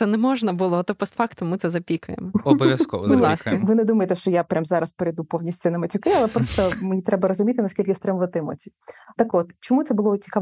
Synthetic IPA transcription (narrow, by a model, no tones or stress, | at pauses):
sɛnɛmɔʒnɐbʊlˠɔt̪ɔpɔst̪fɑkt̪mmɪt̪sɛzɐpʲikʊjḛmɔɔbɔʋʲjɐskɔ̰ɐ̰sʋɪnɛd̪umɐjet̪ɛʃt͡ʃɔjapɾʲamzɑɾɐspeɾejd̪upɔwnʲisʲtʲʊnɐmɐt͡sʲʊkɪɐlˠɛpɾɔst̪ɔmenʲit̪ɾɛbɐɾɔzʊmʲit̪ɪnɐsʲkʲilʲkɪst̪ɾɪmʋɐt̪ɪmɔ̰t͡sʲit̪ɐkɔt̪t͡ʃɔmut̪sɛbʊlˠɔt͡sʲi̥kɑ